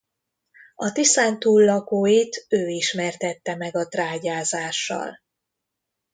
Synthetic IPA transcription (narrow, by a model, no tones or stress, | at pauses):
ɒt̪isaːnt̪uːlːɒkoːjit̪øːiʃmɛrt̪ɛt̪ːɛmɛɡɒt̪raːɟaːzaːʃːɒ̰l